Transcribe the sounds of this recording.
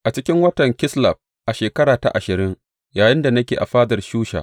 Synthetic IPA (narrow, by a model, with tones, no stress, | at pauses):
ʔa˨t͡ʃɪ˦kʲɪ˦ŋwɐ˦tɐ˨ŋkʲɪ˦slɐ˨ɸ̚ | ʔa˨ʃeː˨kɐ˦ɽaː˨ta̰˦˨ʔa˨ʃɪ˨ɾɪ˦ŋ | jaː˨jɪ˦nda˨nɐ˦kʲeː˨ʔa̰˨ɸaː˦dɐ˨rʃuː˦ʃa̰˨